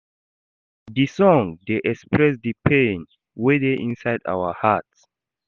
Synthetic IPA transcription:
disɔ̃ŋdeʔɛkspʰɹɛsdəpʰẽn | wedeʔĩnsajda̰wəhats

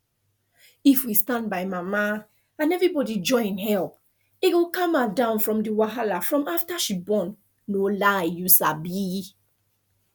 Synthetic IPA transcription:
ifwistãnbajmama | ãnɛvɹibɔdid͡ʒɔ̃ɪ̃nhɛlp̚ | eɡokãmadãʊ̃nfɹɔ̃mdiwaɦalafɹɔ̃maftaʃibɔ̃nː | olajusabi

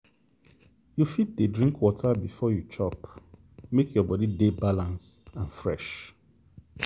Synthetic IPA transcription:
jufit̚dədɹĩŋkʰwɔtʰabifɔjut͡ʃʰɔp | mekjɔbɔdidebalãns | ãnfɹɛ̰ʃ

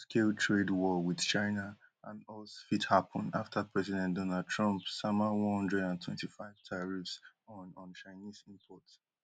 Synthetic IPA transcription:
skeltʰɹedwɔwið̥t͡ʃaɪna | ã̰nɔsfithapʰɔ̃naftʰapʰɹɛsidɛ̃ntdɔnad̚tʰɹɔ̃mpsamawɔ̃nhɔ̃ndɹɛdãntʰwɛ̰̃ntifaɪv̥tʰaɹifs | ɔ̃nt͡ʃaɪnizĩmpʰɔt

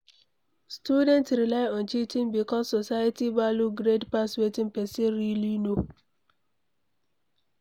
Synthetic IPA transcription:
stjudɛ̃ntɾilaɪɔ̃nt͡ʃitĩmbikɔsosajatibaluɡɾedpaswetĩmpɛseɾilino

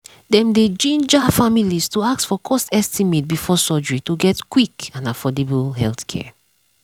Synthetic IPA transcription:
dɛ̃mded͡ʒĩnd͡ʒafamilistuaksfɔkʰɔstɛstimet̚bifɔsɔd͡ʒɹituɡɛtkwikãnafɔdebəlɦɛlθkʰɛ̰

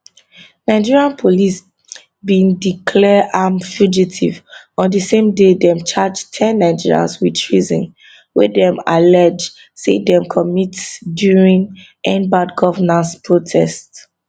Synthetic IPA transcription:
naɪd͡ʒiɹiãnpʰolis | bĩndikʰlɛʔamfjud͡ʒitʰivɔ̃ndəsẽmdedɛ̃mt͡ʃad͡ʒtʰɛ̃nːaɪd͡ʒiɹiã̰nswidtʰɹizɔ̰̃n | wɛ̰dɛ̃malɛd͡ʒ | sḛdɛ̃mkʰɔmitsdjuɹĩn | ɛ̃nbadɡɔvənãnspʰɹotʰɛst

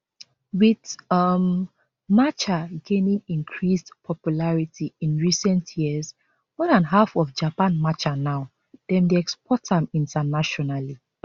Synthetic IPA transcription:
witm | mat͡ʃaɡenĩŋĩŋkʰɹisdpʰɔpjulaɹitʰiĩnɹisɛ̃ntʰjiəs | mɔdãnɦafɔfd͡ʒapãnmat͡ʃanaʊ | d̥ɛ̃mdeɛkspɔtãmĩntanaʃɔnali

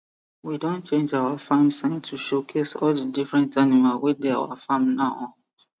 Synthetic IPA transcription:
widõnt͡ʃẽnd͡ʒawafãmsãɪ̃ntʰuʃokʰesɔldədifɹɛ̃ntanimalwedea̰wa̰fãmnaʊɔ̃

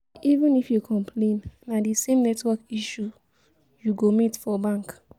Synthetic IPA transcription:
ivũnifjukʰɔ̃mpʰlẽnːadisẽmnɛtwɔkiʃu | juɡomitfɔbãŋk

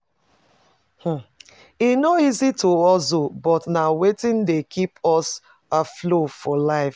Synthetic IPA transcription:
h̩ | inoizitʰoɔsobɔtnawetĩndekʰipɔs | aflofɔlaɪf

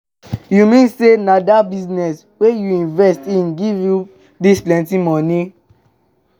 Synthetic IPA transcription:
jumĩnsenadabiznɛs | wejuĩnvɛstĩnɡivju | displɛ̃ntimɔ̃ni

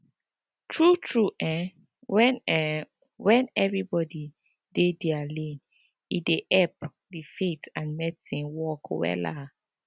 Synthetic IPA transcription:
tʰɹutʰɹuʔɛ̃ | wn | wɛ̃nɛvɹibɔdi | dediali | ideʔɛp̚ | difetãnmɛdisĩnwɔkwɛ̰la

